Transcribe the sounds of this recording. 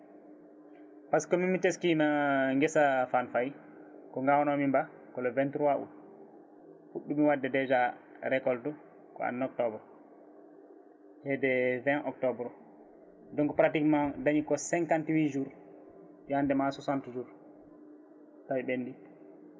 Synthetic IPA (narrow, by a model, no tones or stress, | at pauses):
paskɔmimiteskinaŋɡɛsafanfaj | kɔŋɡawnɔmimba | kɔlɔvɛntuɾwaʔṵ | fuɗːumiwadːɛdɛd͡ʒa | ɾɛkɔltu | kɔ̰a̰nːɔk̚tɔbɾɔ | hɛdɛvɛ̃nʔɔktɔbɾɔ | dɔŋkɔpɾatikmadaɲikɔsɛŋkantwid͡ʒuːɾ | andɛmasɔsantud͡ʒuːɾ | tawiɓenːdi